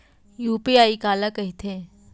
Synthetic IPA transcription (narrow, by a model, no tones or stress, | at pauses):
juːpiaːikaːlakɐɦit̪ʰe